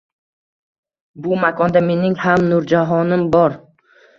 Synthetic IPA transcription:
bʊmakʰɒnd̪ame̞nɪŋhamnʊɾd͡ʒaɦɒnɪmbɒɾ

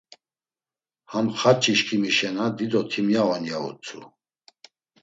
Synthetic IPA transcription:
hamχat͡ʃʼiʃkʰimiʃɛnad̪id̪ɔt̪ʰimjavɔnjaṵt͡sʰʼṵ

